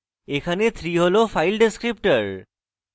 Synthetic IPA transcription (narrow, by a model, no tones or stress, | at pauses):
ekʰanet̪ʰɾiɦolofʰajlɖeskɹip̚ʈəɹ